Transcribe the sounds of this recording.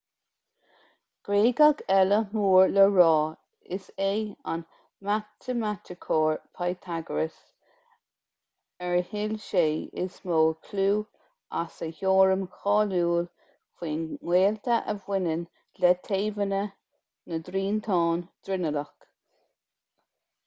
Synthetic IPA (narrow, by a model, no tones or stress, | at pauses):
ɡ̥ɾeːɡaɡɛləmuːɹləɹɑː | ɪseːa̰n | mat̪ʰəmat̪ʰɪkʰoːɹpʰajt̪ʰaɡəɹəs | ɛɹhɪlʃeːɪ̰smoːkʰluː | a̰səhoːɹəmxɑːluːl | kʰwiːnŋweːlt̪ʰəʔəvwɪnən | lɛt̪ʰeːvənə | nəd̪ɾiːntʰɑːnd̪̥ɾɪnələk